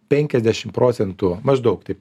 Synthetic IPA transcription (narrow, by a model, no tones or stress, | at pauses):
pʲɛŋʲkʲɛzʲd̪ʲæːʃʲɪmpɾoːsʲɛnt̪umɐʒd̪ɐʊkt̪ɐɪ